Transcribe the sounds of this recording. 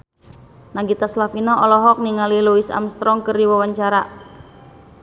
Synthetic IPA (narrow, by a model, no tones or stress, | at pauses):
naŋɡit̪aslafinaʔɔlɔɦɔk̚niŋaliluisa̰mst̪ɾɔŋkəriwawaɲt͡ʃaɾa